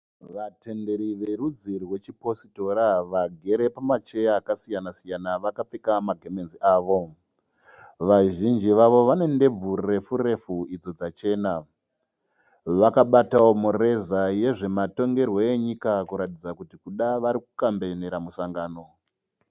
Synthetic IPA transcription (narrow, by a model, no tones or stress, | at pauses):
ʋate̞nde̞ɾiʋe̞ɾud͡zirwe̞t͡ʃipo̞sito̞ɾaʋaɡʱe̞ɾe̞pamat͡ʃe̞jaːkasijanasijanaʋakap͡fekamaɡʱeme̞nziʔaːʋo̞ | ʋaʒind͡ʒiʋaʋo̞ʋane̞nde̞b͡vurre̞fure̞fuid͡zo̞d͡zat͡ʃe̞ːna | ʋakaɓatawo̞mure̞zaje̞ʐe̞mato̞ŋɡe̞rwo̞eɲikakuɾatid͡zakutikuɗaʋaɾikukambe̞neɾamusaŋɡaːno̞